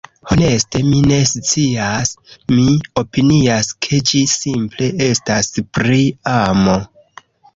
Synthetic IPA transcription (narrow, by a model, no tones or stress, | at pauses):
ho̞ne̞ste̞mine̞st͡siasmio̞piniaskʰe̞d͡ʒisimple̞estaspɾiamo̞